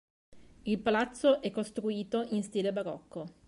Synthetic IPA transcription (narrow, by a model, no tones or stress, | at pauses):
ilpalat̪sːoʔɛkːost̪ɾuiːt̪oʔinst̪iːlebaɾɔkːo